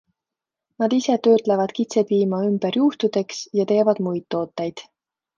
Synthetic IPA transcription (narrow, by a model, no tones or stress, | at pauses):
nɑd̪̥ise̞t̪ø̞ːt̪ˑlevɑd̪̥kit̪se̞piːmɑymb̥eɾjuht̪ud̪̥e̞ksjɑt̪e̞ːvɑd̪̥mujt̪ːo̞ːt̪ːˑejd̪̥